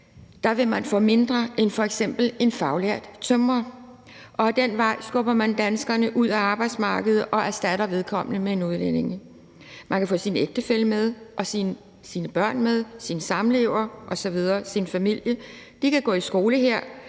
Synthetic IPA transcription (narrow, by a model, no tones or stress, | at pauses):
d̥ɑ̈ʋe̝mænfɔ̰̽ːme̝nd̥ʁɐʔenfɒ̽eɡ̥sem̰b̥l̩e̝nfɑ̈ʊleɐ̰d̥t͡sʰømʁɐ | ʔɒ̽æd̥enʋɑ̈ɪ̰sɡ̥ɔ̽b̥ɐmænd̥ænsɡ̥ɐnəʔuð̞̰ˠæɑ̈ːb̥ɑ̈ɪd̥smɑ̈ːɡ̥əð̞̩ˠʔɒ̽ʔæsd̥æɾɐʋe̝ð̞ˠkʰɒ̽m̰ənəmee̝nuðˠlene̝ŋ | mʔænkʰæfɔ̽ːsineɡ̥d̥əfel̰əmeð̞ˠʔɒ̽si | siːnəb̥ɶɐ̰nmeð̞ˠsinsɑ̈mle̝ʊɐʔɒ̽sɒ̽ʋið̞ˠɐːsinfæmil̰jə | d̥ikʰæɡ̥ɔ̰ːisɡ̥o̝ːləɦeɐ̰